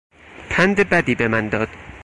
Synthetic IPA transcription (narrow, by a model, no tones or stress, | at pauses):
p̪ʰænd̪ebæd̪iːbemænd̪ɒːd̪̥